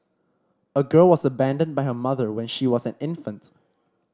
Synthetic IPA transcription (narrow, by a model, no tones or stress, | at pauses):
əɡɜlwɔsəbæ̃ndə̃nbaɪɦəmaðəwɛ̃nʃiwɔsɛ̃nɪ̃nfə̃nt